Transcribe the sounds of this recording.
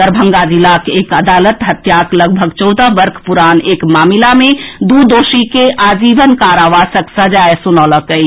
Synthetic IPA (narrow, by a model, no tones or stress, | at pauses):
əɾbʱə̃ŋɡad͡ʒilakeːkəd̪aːlət̪ɦət̪jaːkləɡ̚bʱəɡt͡ʃɔʊd̪əʋəɾkʰpuɾaːneːkmaːmilamẽd̪ud̪oːʃikeʔaːd͡ʒiːʋənkaːɾaʋaːsəksəd͡ʒaesunɔləkəi